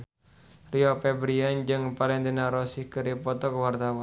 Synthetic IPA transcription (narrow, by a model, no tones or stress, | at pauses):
riɔpɛbɾiand͡ʒɨŋpalɛnt̪inaɾɔsihkəɾipɔt̪ɔkəwart̪awɔ